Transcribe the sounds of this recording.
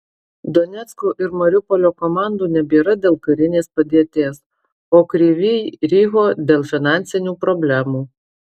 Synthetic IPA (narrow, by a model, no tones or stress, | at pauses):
d̪ɔnʲɛt̪skoːʔɪɾmɐɾʲʊpɔlʲoːkɔmɑˑnd̪uːnʲɛbʲiːɾɐd̪ʲeːlˠkɐɾʲɪnʲeːspɐd̪ʲiɛt̪ʲeːs | oːkɾʲiːʋʲiːɾʲiːɦoːd̪ʲeːlˠfʲɪnɑˑnʲt̪sʲɪnʲuːpɾɔbʲlʲæmuː